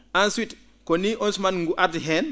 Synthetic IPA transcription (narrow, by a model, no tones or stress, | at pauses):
answit | koniʔɔnsmanŋɡuʔaɾdiɦɛn